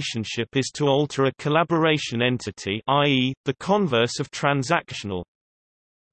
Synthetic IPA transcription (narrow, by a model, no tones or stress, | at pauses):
ʃə̃nʃɪpɪz̥tʰəɔlˠtʰəɹəkʰəlabəɹeɪʃə̃nɛ̃ntʰɪtʰiʔaɪiːðəkʰɒ̃ɱvɜˑsəv̥tʰɹ̥ãnzakʃənə̰lˠ